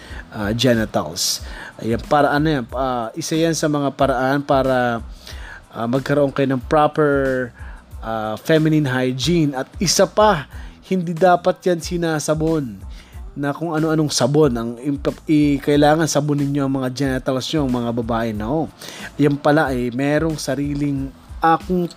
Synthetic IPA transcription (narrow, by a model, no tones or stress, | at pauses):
ʔad͡ʒɛnɛt̪ɐ̰lsʔjanpaːɾɐʔɐnojanaʔɪsajansɐmɐŋapɐɾɐʔanpaːɾɐ | ʔamɐɡ̚kɐɾoʔoŋkɐjonɐŋpɹapɛɹ | ʔafɛmɪninɦajd͡ʒinɐt̪ɪsapɐhɪnd̪id̪aːpɐt̪̚jansɪnaːsɐbonː | ɐkoŋɐno̞ʔɐno̞ŋsɐbo̞nɐŋɪpɐʔɪkɐʔɪlaːŋɐnsɐbonːɪɲːo̞ʔɐŋmɐŋad͡ʒɛnɛt̪ɐlsɲoɐŋmɐŋabɐbaːʔɛnojampɐlaʔɐjmɛːɾo̞ŋsɐɾiːlɪŋ | ʔaːkʊŋ